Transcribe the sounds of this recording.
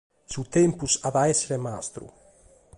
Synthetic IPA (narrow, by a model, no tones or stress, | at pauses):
suwt̪empusaðaeseɾemast̪ɾṵ